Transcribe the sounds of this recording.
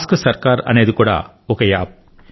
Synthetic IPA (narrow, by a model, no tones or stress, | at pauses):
skɯsɐɾkaːɾɐ̰neðɯkuːɽa̰ː | okɐja̰ːp̚